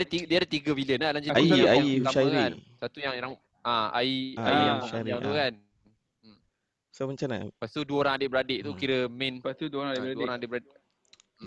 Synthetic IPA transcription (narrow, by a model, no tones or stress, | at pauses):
dt̪idiadət̪iɡəwiliənlalaɲd͡ʒɪaiaiaʃaiɾkiansat̪ujaŋeɾaŋ | ʔãa̰iaaaɾiaŋt̪ukan | soməɲt͡ʃana̰past̪uduəoɾaŋadɪʔbəɾadeʔt̪ukiɾəmɛ̃npast̪uduɾaduəoɾaŋadɪʔbəɾadɪʔ̩